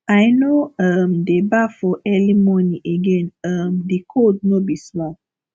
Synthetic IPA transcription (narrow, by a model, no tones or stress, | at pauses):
ajnoʌmdebafɔʔɛlimɔnĩʔeɡẽnʌmdikʰod̚nobismɔ̃t̚